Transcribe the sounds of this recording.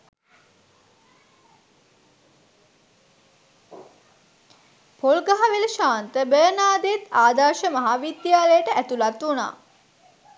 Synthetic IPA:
polɡaɦaʋeləʃaːnt̪əbəːnaːd̪eet̪aːd̪aːɾʃəmɐɦaːʋid̪jaːlejəʈəʔæt̪ulat̪ʋuna̰ː

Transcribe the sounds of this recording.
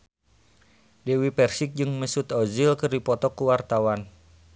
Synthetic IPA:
dewipɛrsik̚d͡ʒɨŋməsut̪ɔzilkɨrdipɔt̪ɔkuwart̪awan

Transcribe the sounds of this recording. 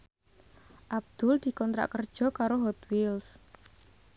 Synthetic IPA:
ʔab̚d̪̥ʊld̪̥i̤kɔnt̪ɾa̰ʔkərd̥ʒ̥ɔ̤kaɾoɦɔt̪wils

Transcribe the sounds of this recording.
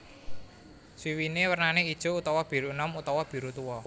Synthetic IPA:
swiwinewərnaneid̥ʒ̥o̤ut̪ɔwɔb̥i̤ɾunɔmut̪ɔwɔb̥i̤ɾut̪uwɔ

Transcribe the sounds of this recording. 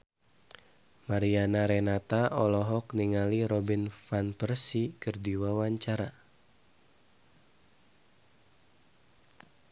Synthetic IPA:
maɾianaɾɛnat̪aɔlɔɦɔkniŋaliɾɔbinfanpərsikərdiwawaɲt͡ʃaɾa

